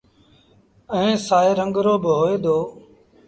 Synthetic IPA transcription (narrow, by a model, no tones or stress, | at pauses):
əẽːsaːeːɾəŋɡɾoːbɦoːeːd̪oː